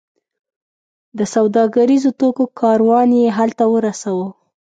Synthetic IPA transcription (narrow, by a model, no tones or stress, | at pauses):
d̪əsawd̪ɑɡaɾizot̪okokʰɑɾwɑnjeɦalt̪awəɾasawə